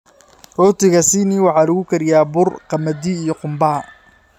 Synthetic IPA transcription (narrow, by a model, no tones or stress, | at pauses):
rɔːt̪ʰɪɣɐsɪniwɑħɑːlɐɣʊkʰɐɾɪjaːbʊrqɑmɐd̪iijɔqʊmbɐɐ